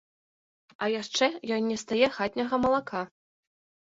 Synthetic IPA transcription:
ɐjaʂt͡ʂɛjɔnːʲɛst̪ajɛxat̪ʲnʲɐɣɐmɐlˠakʰa

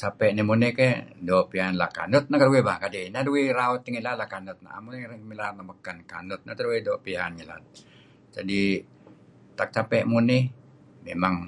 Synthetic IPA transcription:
t͡ʃapɛʔnimunɛkɛdopianla̰ka̰nʊt̪̚nakaɾuweba̰kadɛnaduwiɾaʊt̪iŋilalakanʊt̪̚na̰a̰munmilanaməkanka̰nʊt̪̚nat̪aɾuwedopianɲela̰ | d͡ʒadi | t̪ak̚t͡ʃapɛʔmunɪ | memaŋ

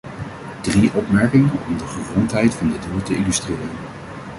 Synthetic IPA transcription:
d̥riʔɔpmɛɹkɪŋənɔmdəχəzɔntɦɛjtfɑndəduːɹtəɪlystrɪːrən

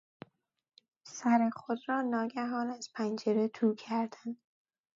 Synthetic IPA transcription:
sæɾeχod̪rɒːnɒːɡæɦɒːnæz̥pʰænd͡ʒeɾet̪ʰuːkʰæɾd̪̥ænd̪̥

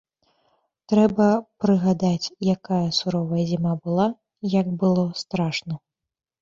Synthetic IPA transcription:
t̪ɾɛbɐpɾɨɣad̪at͡sʲjakajɐsuɾɔvɐjɛzʲimabɨlˠa | jɐɡbɨlˠɔst̪ɾaʂnɐ

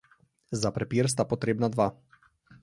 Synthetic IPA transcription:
zapɾɛpiɾs̬t̪apɔt̪ɾeːbnad̪ʋa

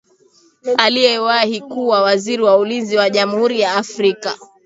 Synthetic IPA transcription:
alijɛwahikuːwawaziɾiwaulinziwaʄamuhuɾijaːfɾika

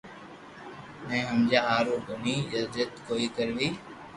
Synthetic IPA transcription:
nɛ̃ːɦəmd͡ʒaːaːɾoːbʱəniːjəzd͡ʒət̪koːiːkəɾʋiː

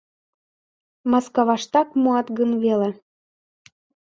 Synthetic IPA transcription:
mɑskɑβɑʃt̪ɑkmuɑt̪ɣənβele

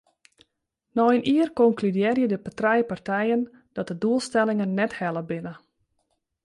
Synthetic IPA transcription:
nɔjəniərkɔŋklydɪːrjədəpatrɛjpartʰɛjən | d̥ɔt̚dəduəlˠstɛlˠɪŋənːɛthɛlˠəbɪnə

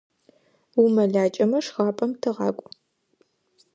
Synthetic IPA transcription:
wumɐɮaːt͡ʃʼɐmɐʂχɑːpʼɐmtʰɨʁɑːkʷʼʊ

